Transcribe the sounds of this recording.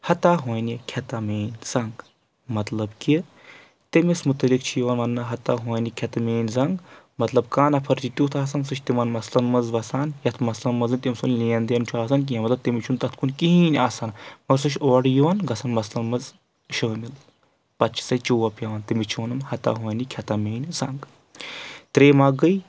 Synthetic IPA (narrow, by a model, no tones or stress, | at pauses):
hɐt̪aːɦoːjnikʲʰɐt̪ɐmeːnʲz̥ɐŋɡ | mɐt̪lɐbki | t̪emismut̪ɐlikt͡ʃʰijiʋɐnʋɐnːɐɦɐt̪aːɦoːjnʲikʲʰɐt̪meːnʲzɐŋɡ | mɐt̪lɐb̚kaːnɐpʰɐɾt͡ʃʰit̪ʲuːt̪ʰaːs̬ɐnsɨt͡ʃʰt̪imɐnmɐslɐnmɐzʋɐsaːnjɐt̪ʰmɐslɐnmɐzɨnʲt̪ʲimsunlĩːɐnd̪jɐnt͡ʃʲʰuaːs̬ɐnk̬iɐmɐt̪lɐb̚t̪imit͡ʃʰunt̪ɐt̪ʰkunkiɦiːnʲaːsɐːnmɐɾsɨʃʰoːɽjiʋɐnɡɐsanmɐslɐnmɐz | ʃɐmil | pɐtt͡ʃʰi̥sɐt͡ʃuʋɐpʰjɐʋɐnt̪imit͡ʃʰuʋɐnɨnhɐt̪a̰ɦoːnikʲʰɐt̪ɐmeːnʲzɐŋɡ | t̪ɾeːmaːɡəj